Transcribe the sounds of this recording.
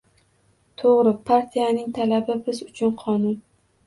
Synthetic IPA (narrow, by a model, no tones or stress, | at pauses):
t̪ʰoʁɾɪpʰaɾt̪ʰijanɪŋt̪ʰalabɪbɪzʊt͡ʃʰʊnqʰɒnʊn